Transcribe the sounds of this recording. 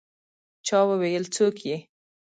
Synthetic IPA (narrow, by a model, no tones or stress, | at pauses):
t͡ʃɑwəwejəlt͡sokje